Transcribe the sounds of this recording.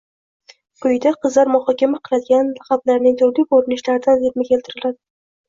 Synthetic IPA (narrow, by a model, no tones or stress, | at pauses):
kʰʊjd̪aqʰɨzlaɾmʊχɒkʲamaqʰɨlˠad̪ɪɡʲanlaχablaɾnɪŋt̪ʰʊwlɪkoɾɪnɪʃlaɾɪd̪aneɾmɪkʲʰe̞lt̪ʰɪɾɪlad̪ɪ